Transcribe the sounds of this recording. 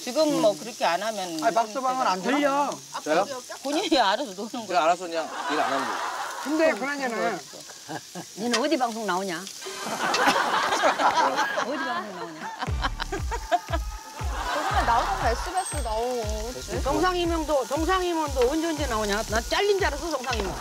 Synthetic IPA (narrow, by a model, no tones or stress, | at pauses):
t͡ɕiɡɯmːʌkɯɾʌkʰeanɦamjʌnapak̚s͈obaŋɯnandeʎːʌaʌjokoɲiiaɾasʰʌdonɯnɯaɾasʰʌkɲaŋiɾa̰nandokɯndekɯɾaɲanas͈o̰ | ninɯnodibaŋs̬ʰoŋnaoɲa | ʌdibaŋsʰoŋnaoɲa | t͡ɕʌɡanannːaomʌnkaɭs͈uɡas͈ɯnao | t͡ɕʌŋsʰaŋimjʌŋdot͡ɕʌŋs̬ʰaŋimwʌndoːɯnd͡ʑond͡ʑenaoɲanat͡ɕ͈aʎːind͡ʑaɾɯs̬ʰot͡ɕʌŋsʰaŋimjʌŋ